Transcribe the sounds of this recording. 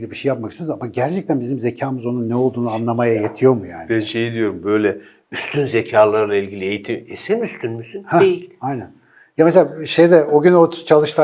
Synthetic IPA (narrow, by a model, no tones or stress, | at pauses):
lʲɛbiʃejap̚makisjoɾzamaɟæɾt͡ʃʰɛc̚t̪ʰænbizimze̞cʰaːmɯzo̞nunːɛo̞lˠd̪uːnuanlˠamajajet̪ʰijo̞mujaːnɪbænʃejid̪ijo̞ɾumbøjlʲɛ | yst̪ʰynzecʰaːlˠaɾlˠailʲɟilʲiejit̪ʰimesɛmyst̪ʰynmysynhæjilʲajnæn | jameselʲaʃejd̪ɛoɟynot͡ʃʰalˠɯʃt̪ʰa